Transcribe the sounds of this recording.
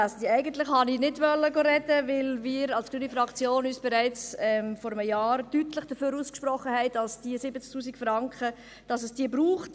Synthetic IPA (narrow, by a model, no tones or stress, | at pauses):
asdiæɪɡən̩tlɪχhɑninɪdʋœlːəɡoɾɛdəʋɪlmɪːɾɑlskyːnifɾɑkt͡sjoːnyːsb̥ɛɾæɪt͡sɛmfɔɾəməjɑːɾtytləχd̥əføːɾuːskʃpɾɔχəhɛɪd̥ɑlsd̥iəsɪbət͡sk̚tʰuːsikfɾɑŋkχə | d̥ɑsəsd̥iːəbɾuːχt